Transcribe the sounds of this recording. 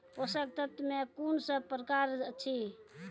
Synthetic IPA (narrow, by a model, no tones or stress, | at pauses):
osək̚t̪ət̪mekunsəpɾəkaɾət͡ʃʰi